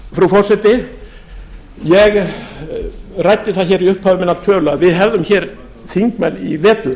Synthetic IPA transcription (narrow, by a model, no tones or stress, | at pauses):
fɾufɔr̥sɛt̪ɪ | jɛɣ | rajt̪ɪθaðçɛːɾiʏhphaːvɪmɪnːat̪ʰœːlʏaðvɪðɦɛvðʏmçɛːɾ | θiŋkmɛnːḭvɛːt̪lʏ